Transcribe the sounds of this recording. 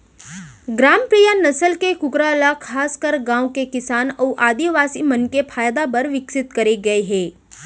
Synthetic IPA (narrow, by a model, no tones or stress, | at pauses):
ɡɾaːmpɾiːjanɐsəlkekʊkɾalakʰaːskəɾɡãːwkekɪsaːnɔːʔaːd̪iʋaːsimɐnkepʰaːjd̪apɐɾʋɪksɪt̪kɐɾeɡɐeɦɛ̃ː